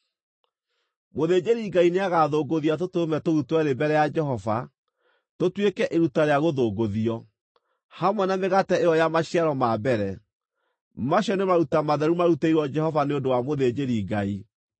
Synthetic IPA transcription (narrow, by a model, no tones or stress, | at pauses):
moðed͡ʒeɾiɡaineaɣaːðoɡoðiat̬otomɛtoutwɛɾebɛɾɛjad͡ʒɛɦɔva | totwekɛʔeɾutaɾeaɣoðoɡoðiɔ | hamwɛnameɣatɛeɔjamaɕiaɾɔmaːbɛɾɛ | maɕɔnemaɾutamaðɛɾumaɾuteiɾwɔd͡ʒɛhɔvaneondowamoðed͡ʒeɾiɡai